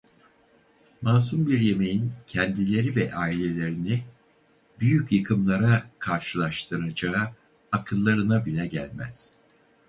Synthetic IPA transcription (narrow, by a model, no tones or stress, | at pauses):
maːs̬umbiɾje̞me̞jincʰɛnd̪ilʲe̞ɾivɛʔaːilʲe̞lʲe̞ɾini | byjycʰjɯkʰɯmlˠaɾakʰaɾʃɯlˠaʃt̪ʰɯɾad͡ʒaɯ | akʰɯlˠːaɾɯnabinʲɛɟæ̰lʲmæ̰z̥